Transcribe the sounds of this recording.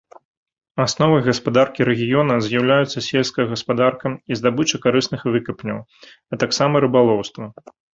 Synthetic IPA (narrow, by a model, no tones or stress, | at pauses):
asnɔvɨɣɐspad̪arkʲiɾɛɣʲijɔnɐzʲjawlʲajut̪sːɐsʲelʲskɐjɐɣɐspad̪arkɐmizd̪abɨt͡ʂɐkaɾɨsnɨxvɨkɐpnʲɐw | ɐt̪aksamɐɾɨbalˠɔwst̪vɐ